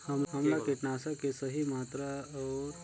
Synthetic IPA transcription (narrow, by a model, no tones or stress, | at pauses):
hɐmɦɐmlakeʈnaːsakesəɦimaːt̪ɾaɔːɾ